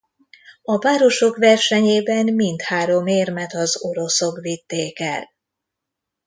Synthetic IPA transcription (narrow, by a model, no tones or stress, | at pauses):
ɒvaːɾo̞ʃo̞kvɛrʃɛɲeːbɛmːint̪haːɾo̞meːrmɛt̪ɒzo̞ɾo̞so̞kvit̪ːeːkɛ̰l